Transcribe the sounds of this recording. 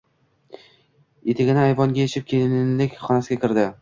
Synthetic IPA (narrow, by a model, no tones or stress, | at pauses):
et̪ʰɪɡʲɪnɪajvɒŋɡʲajet͡ʃʰɪp̚kʲʰelɪnɪnlɪkʲχɒnasɪɡʲakʲʰɪɾd̪ɪ